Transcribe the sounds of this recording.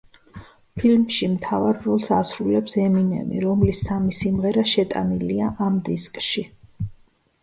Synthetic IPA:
pʰilmʃimt̪ʰavaɾːɔlˠsasɾulɛpsɛminɛ̰mḭɾɔmlisːamisimʁɛɾaʃɛt̪ʼa̰niliaʔamd̪iskʼʃi

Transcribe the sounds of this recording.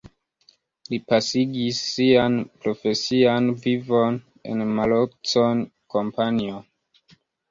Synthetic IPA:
lipasiɡisːianpɾo̞fe̞sianvivo̞n | e̞̰nmalokt͡sonko̞mpanio

